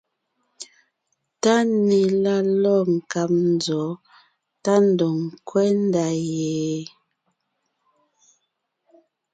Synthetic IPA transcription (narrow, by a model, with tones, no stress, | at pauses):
ta˦ne˨la˦lɔ˦˨ŋ̩˨ka˨p̚n̩˨zɔ˨˦ | ta˦n̩˨dɔ˨ŋ˨kwɛ˦n˦da˨jɛː˨